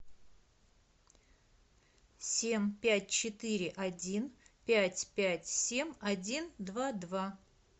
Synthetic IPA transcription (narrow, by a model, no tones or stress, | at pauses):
sʲemʲpʲæt̚ʲt͡ɕɪt̪ɨɾʲɪʔɐdʲinpʲætʲpʲætʲsʲemʲɐdʲind̪vad̪va